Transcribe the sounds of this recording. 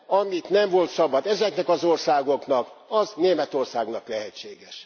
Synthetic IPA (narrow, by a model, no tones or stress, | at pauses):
ɒmit̪nɛmvo̞lt̪sɒbɒd̪ɛzɛknɛkɒzorsaːɡo̞knɒkɒzneːmɛt̪o̞rsaːɡnɒklɛɦɛt͡ʃːeːɡɛʃ